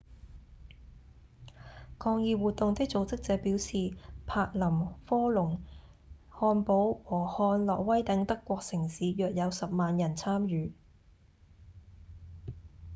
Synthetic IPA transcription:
kʰɔː˧ŋjiː˨˧wuː˨t̪ːʊ˨ŋt̪ɪ˥k̚t͡so˨˧wt͡sɪ˥k̚t͡sɛː˨˧piː˨˥wsiː˨pʰaː˧k̚lɐ˨˩mfɔː˥lʊ˨˩ŋ | hɔː˧npo˨˥wwɔː˨˩hɔː˧nlɔː˨k̚wɐ˥jt̪ɐ˨˥ŋt̪ɐ˥kʷːɔː˧k̚sɪ˨˩ŋsiː˨˧jœː˨k̚jɐ˨˧wsɐ˨p̚maː˨njɐ˨˩nt͡sʰaː˥mɥyː˨˧

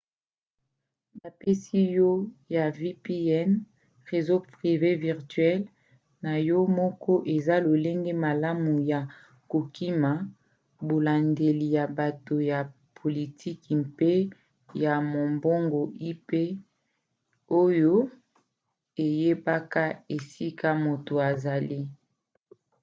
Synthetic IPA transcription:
ba˨pe˦si˦jɔ˦ja˨vi˦pi˦ɛ˦n | ʁe˨zo˦pʁi˨ve˦vi˨ʁtɥɛ˦l | na˨jɔ˦mɔ˦kɔ˦ʔe˨za˦lo˨le˦ŋɡe˦ma˨la˦mu˨ja˨ | ko˨kʰi˦ma˨ | bo˨la˨nde˨li˨ja˨ba˨to˨ja˨ | pʰo˨li˨tʰi˦kmpe˦ | ja˨mo˨mbo˦ŋɡo˨ʔi˦pe˦ | o˦jo˦ | e˨je˦ba˦ka˦e˨si˦ka˦mo˨to˨a˨za˨li˦

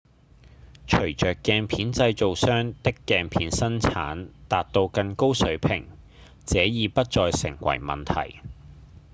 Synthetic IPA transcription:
t͡ʃʰɵ˨˩ɥt͡ʃœː˨kːɛː˧ŋpʰiː˨˥nt͡sɐ˧jt͡so˨wsœː˥ŋt̪ɪ˥kːɛː˨˧ŋpʰiː˨˥nsɐ˥nt͡sʰa̰ː˨˥nt̪aː˨t̚t̪o˧wkɐ˧nko˥wsɵ˨˥ɥpʰɪ̰˨˩ŋ | t͡sɛː˨˥jiː˨˧pɐ˥t̚t͡sɔː˨˧jsɪ̰˨˩ŋwɐ̰˨˩jmɐ̰˨nt̪ʰɐ̰˨˩j

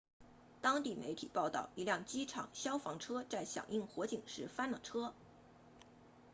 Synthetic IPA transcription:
t̪ɑ˥ŋt̪i˥˩mʔḛ˧˥ɪt̪ʰḭ˨˩pɑ˥˧ʊt̪ɑ̰˥˩ʊi˧˥ljɑ˥˩ŋt͡ɕi˥ʈ͡ʂʰɑ̰˨˩ŋɕjɑ˥ʊfɑ˧˥ŋʈ͡ʂʰɤ˥t͡sa˥˩ɪɕjɑ̰˨˩ŋʔi˥˩ŋxwɔ˧˥t͡ɕi˨˩ŋʂɻ̩˧˥fa˥nlɑ̰˨˩ŋʈ͡ʂʰɤ˥

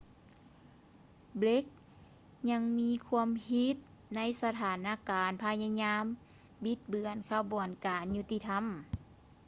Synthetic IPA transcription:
ble˦˥k̚ | ɲa˧˥ŋmiː˧˥kʰu˧əmhi˧˥t̪̚ | na˧˥jsa˧t̪ʰaː˨˩˦naː˧˨kaː˨˩npʰa˧ɲa˧ɲaː˧˥m | bi˧˦t̪̚bɯ˨˩ənkʰa˧bu˨˩ənkaː˨˩nɲu˧˥t̪i˧t̪ʰa˧˥˨m

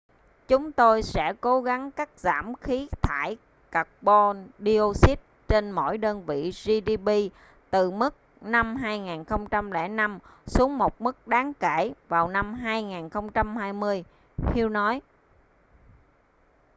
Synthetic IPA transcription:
t͡ɕʊ˨˦ŋ͡mt̪o˧jsɛ̰˧˥ko˨˦ɣa˨˦ŋkaː˦˥k̚za̰ː˧˩mxi˨˦t̪ʰaː˧˩j | ka˨˩k̚ɓɔ˧ɗi˧o˧si˦˥t̚t͡ɕe˧nmo̰˧˩jɗəː˧nvḭ˧˨zi˧ɗi˧ɓi˧ | t̪ɨ˨˩mɨ˦˥k̚ | na˧mɦaː˧jŋaː˨˩nxə˧wŋ͡mt͡ɕa˧mlɛ̰˧˩na˧msu˨˦əŋmo˨˩t̚mɨ˦˥k̚ɗaː˨˦ŋke˧˩vaː˨˩wna˧mɦaː˧jŋaː˨˩nxə˧wŋ͡mt͡ɕa˧mhaː˧jmɨ˧əj | hi˧wnɔ˨˦j

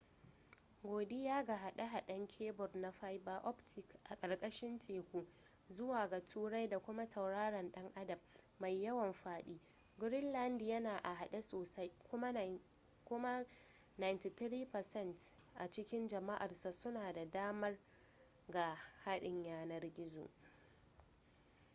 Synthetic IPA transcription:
ɡʷoː˨de˦jaː˦ɡa˨ɦa˨ɗa˦ɦa˨ɗɐ˦ŋkʲʰeː˦bɔ˨rna˨ɸa˦jba˦ʔɔ˦ptʰɪ˨kʔa˨kʼɐ˨rkʼɐ˦ʃɪ˦ntʰeː˨kʷuː˦ | zʊ˦waː˨ɡa˨tʰuː˦ɽa˦jda˨kʷʊ˦ma˦tʰɐ˨wɽaː˦ɽɐ˨nɗɐ˦ŋʔa˦dɐ˨b | ma˨jːɐ˦wɐ˨mɸaː˦ɗiː˦ | ɡʊ˦ɾɪ˦nlɐ˦ndjɐ˦naː˨ʔa˨ɦa˨ɗa˦soː˨sa˦jkʷʊ˦ma˦ | kʷʊ˦ma˦ | na˨jnti˨t̪ɾiː˦pɐ˨sɛ˦˨nt | ʔa˨t͡ʃɪ˦kʲɪ˦nd͡ʒɐ˨ma˦ʔa˨rsa˨sʊ˦naː˨da˨daː˦mɐ˦r | ɡa˨ha˦ɗɪ˨ɲjaː˦nɐ˦rɡʲɪ˦zo̰ː˨

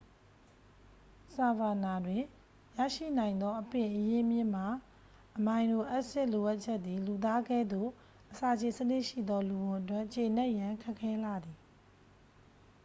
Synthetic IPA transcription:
sa˨ba˨na˨dwɪ̃˨ | ja̰˦˨ʃḭ˦˨nã˨ɪ̃nd̪ɔ˦ʔəpɪ̃˨ʔəje˦mjɪ̃˦˨m̥a˨ | ʔəmã˨ɪ̃ndo˨ʔa˦ʔsɪ˦˨ʔlo˨ʔa˦ʔ̚t͡ɕʰɛ˦ʔ̪ːi˨lu˨t̪̬a˦ɡɛ˦˨d̪o̰˦˨ | ʔəsa˨d͡ʑe˨sənɪ˦ʔʃḭ˦˨d̪ɔ˦lu˨bʊ̃˨ʔət̬wɛ˦˨ʔt͡ɕe˨nɛ˦ʔjã˨kʰɛ˦ʔkʰːɛ˦la˨d̪i˨

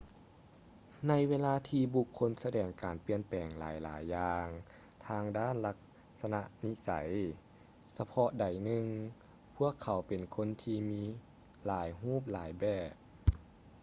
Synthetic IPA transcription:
na˧˥jweː˧laː˧t̪ʰiː˧bu˧kʰːo˧˥nsa˧dɛː˨˩ŋkaː˨˩npi˧˨ənpɛː˨˩ŋla̰ː˨˦jla̰ː˨˦jːaː˧ŋ | t̪ʰaː˧ŋdaː˥˨nla˧k̚ | sa˧na˧ʔni˧˥sa̰˨˦j | sa˧pʰɔ˧da˨˩jnɯ˧ŋ | pʰu˧˥˩əkʰːa˨˩˦wpe˨˩nkʰo˧˥˨nt̪ʰiː˧miː˧˥ | laː˨˦jɦuː˥˨p̚laː˨˦jbɛː˧˩p̚

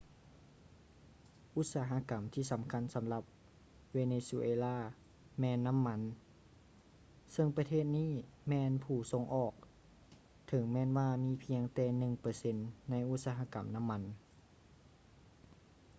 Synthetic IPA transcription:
ʔu˧˥t̪̚saː˨˦ɦa˧˥ka˨˦mt̪ʰiː˧˩sa˨˦mkʰa˧˥˨nsa˨˦mla˧˦p̚ | weː˧neː˧su˧ʔeː˧laː˧˥˩ | mɛː˧˥nːa˧˥˨mːa˧˥˨n | sɤ˧˥˨ŋpa˧t̪ʰeː˧˥˨t̪̚niː˥˩˨mɛː˧˥npʰuː˨˩so˧˥˦ŋʔɔː˨˩k̚ | t̪ʰɤ˨˦ŋmɛː˧˥˨nwaː˧˩miː˧˥˨pʰi˧əŋt̪ɛː˧˩nɯ˨˩ŋpɤː˧se˧˥nːa˧˥˨jʔu˧˥t̪̚saː˧ɦa˧˥ka̰˨˦mna˧˥˨mːa˧˥n

